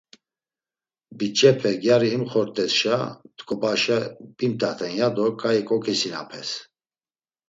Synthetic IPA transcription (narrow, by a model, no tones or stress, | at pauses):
bit͡ʃʼɛpʰɛɡjaɾiːmχɔɾt̪ʼɛsʃat̪kʰʼɔbaʃɛpʼimt̪ʰat̪ʰɛnjad̪ɔkʼaikʼɔkʰisina̰pʰɛs